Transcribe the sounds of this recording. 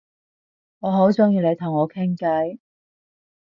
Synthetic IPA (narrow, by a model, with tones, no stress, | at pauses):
ŋɔː˨˧ɦo˨˥wt͡ʃʊ˥ŋjiː˧le˨˧jt̪ʰʊ˨˩ŋɔː˨˧kʰɪ˥ŋkɐ˨˥j